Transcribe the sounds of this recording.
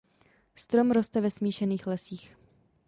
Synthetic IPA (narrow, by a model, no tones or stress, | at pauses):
st̪ɾo̞mɾo̞st̪ɛvɛsmiːʃɛniːxlɛsiːx